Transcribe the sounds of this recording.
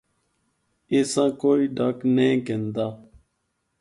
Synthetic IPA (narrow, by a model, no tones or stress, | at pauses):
esãkoːiɖaknẽkẽnd̪a